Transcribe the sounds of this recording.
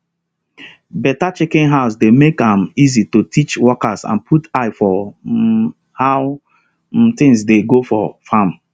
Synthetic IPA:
bɛtat͡ʃɪkɪ̃nɦaʊs̬demekãmizitotʰit͡ʃwɔkasã̰npʰutaɪfɔ | haʊ | t̪ɪ̃ŋsdeɡofɔfãm

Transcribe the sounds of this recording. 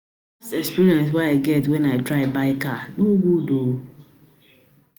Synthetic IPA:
sɛkspiɾiɛ̃ns̬waaɪɡɛtwɛ̃naɪdɾaɪbaɪkanuɡʷudo

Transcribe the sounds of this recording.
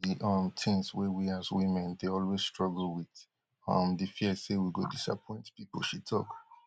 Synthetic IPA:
iʔʌmtʰĩŋswɛwiazwĩmɛ̃ndeɔlwezstɹɔɡl̩wið | ʌ̰̃mdifiəsewiɡodisa̰pʰɔ̃ɪ̃ntpipl̩ʃitʰɔ̰k

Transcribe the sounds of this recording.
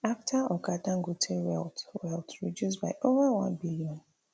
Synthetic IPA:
aftʰaɔkadãŋ̩ɡotʰewɛltwɛltɹid͡ʒus̬baɪʔovawã̰nbiliɔ̃n

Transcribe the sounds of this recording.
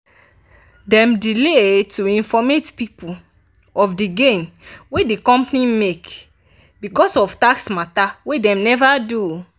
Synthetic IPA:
dɛ̃mdiletuĩnfɔmetpipul | ɔfdiɡẽnwedikɔ̃mpnĩmek | bikɔsɔftaksmatawedɛ̃mnɛvadu

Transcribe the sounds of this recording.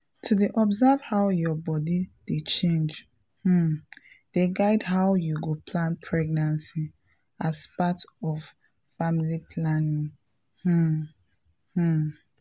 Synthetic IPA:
tʰudeʔɔbzavhaʊjɔbɔdid̥et͡ʃẽnd͡ʒ | h̩ | d̥eɡaɪdɦaʊjuɡopʰlãnpʰɹɛɡ̚nãnsi | aspatɔf | familipʰlanĩŋ | h̩ | h̩

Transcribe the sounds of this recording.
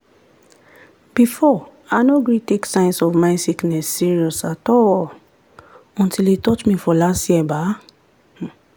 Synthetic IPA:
b̥ifɔ | aɪnoɡɹiteksãɪ̃nsɔvmaɪsiknɛsːiɹiɔsatɔl | ɔ̃ntʰilitɔtmifɔlastjiɛba | h̩

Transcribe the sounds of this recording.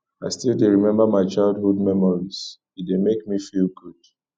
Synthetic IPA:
aɪstilˠdeɹimɛ̃mbamaɪt͡ʃaɪldhud̚mɛmɔɹis | idemekmifilɡud̥

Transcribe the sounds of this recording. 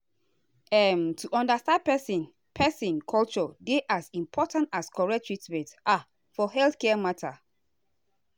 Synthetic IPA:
ɛmtʰuʔɔ̃ndastãnd̚pɛsĩn | pʰɛsĩnkʰɔlt͡ʃɔdeʔasĩmpʰɔtãntaskʰɔɹɛk̚tʰɹitmɛ̃tʔa | fɔɦɛlθkɛmatʰa

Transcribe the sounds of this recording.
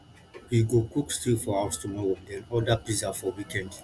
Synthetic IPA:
jiɡokukstifɔhaʊstumɔɹõdɛ̃nɔdaplizafɔwikɛ̃nd

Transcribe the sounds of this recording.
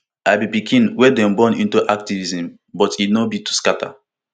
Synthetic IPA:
aɪbipikʰĩnwɛdɛ̃mbɔ̃nĩntuʔak̚tivizĩm | bɔtinobitu̥skatʰa̰

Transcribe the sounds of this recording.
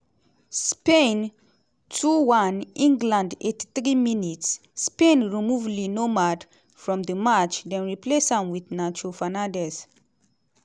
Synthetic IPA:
spẽn | tʰuwãnĩŋɡlãndetiθɹiminitsː | pẽnɹimuvlinomad | fɹɔ̃md̪əmat͡ʃdɛ̃nɹiplesãmwidnat͡ʃofanãndɛs

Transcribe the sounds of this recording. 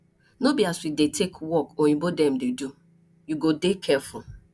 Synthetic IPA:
nobiaswidetʰekwɔkoɲũbodɛ̃m̩dedu | juɡodekʰɛful

